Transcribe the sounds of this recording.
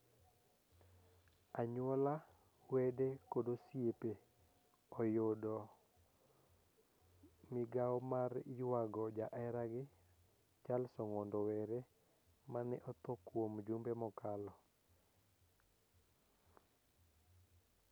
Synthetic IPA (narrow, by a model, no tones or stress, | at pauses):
aɲwɔla | wedekodosjepe | ɔjodɔ | mɪɡawɔmarjwaɡɔd͡ʒaʔɛɾaɡɪ | t͡ʃalsɔŋɔndɔwɛɾe | manɛ̰ʔɔt̪ɔkwomd͡ʒumbemɔkalɔ